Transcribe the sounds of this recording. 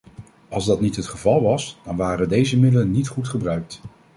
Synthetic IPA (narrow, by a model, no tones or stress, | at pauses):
ʔɑlˠzdɑtnitɦətχəvɑlˠʋɑsd̥ɑnʋaːrədejzəmɪdələnːitχutχəbrœɥk̚t